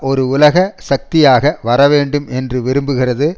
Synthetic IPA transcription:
ɔɾɯʊlɐɣɐsɐk̚t̪ɪjaːɣɐʋɐɾɐʋeːɳɖɯmɛndrɯʋɪɾɯmbɯɣɪrɐðɯ

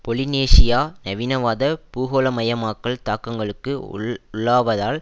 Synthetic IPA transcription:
pɔlɪneːʂɪjaːnɐʋɪnɐʋaːðɐpuːɣoːlɐmɐjɐmaːkːɐɭt̪aːkːɐŋɡɐɭɯkːɯʊɭːaːʋɐðaːl

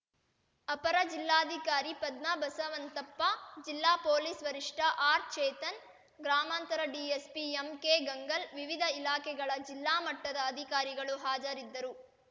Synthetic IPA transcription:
ɐpɐɾɐd͡ʒilːaːd̪ʱikaːɾipɐd̪mabɐsɐʋɐnt̪ɐpːɐd͡ʒilːaːpoːliːsʋɐɾiʂʈʰɐʔaːɾt͡ʃeːt̪ɐn | ɡɾaːmaːnt̪ɐɾɐɖiːespiemkeːɡɐŋɡɐlʋiʋid̪ʱɐilaːkʰɛɡɐɭɐd͡ʒilːaːmɐʈːɐd̪ɐːd̪ʱikaːɾiɡɐɭuɦaːd͡ʒɐɾid̪ːɐɾu

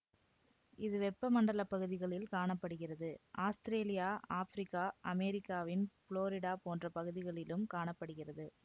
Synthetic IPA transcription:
ɪðɯʋɛpːɐmɐɳɖɐɭɐpːɐɣɯðɪɣɐɭɪlkaːɳɐpːɐɽɯɣɪrɐðɯʔaːst̪ɪɾeːlɪjaːaːfɾɪkːaːʔɐmɛɾɪkːaːʋɪnfɭoːɾɪɽaːpoːndrɐpɐɣɯðɪɣɐɭɪlɯmkaːɳɐpːɐɽɯɣɪrɐðɯ

